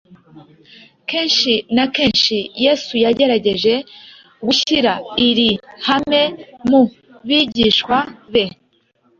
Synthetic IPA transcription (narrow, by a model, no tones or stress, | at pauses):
ke̞ːnʃinake̞ːnʃijeːsujaɟe̞ɾaɟe̞ʒe̞ | ɡuçiɾaiɾihame̞mu | βiːɟiʃkwaβe̞